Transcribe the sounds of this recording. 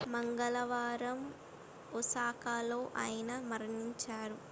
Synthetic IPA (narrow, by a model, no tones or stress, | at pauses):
mɐŋɡɐlɐʋaːɾɐm | usaːkaːloːʔaːjɐnɐmɐɾɐniɲt͡ʃaːɾu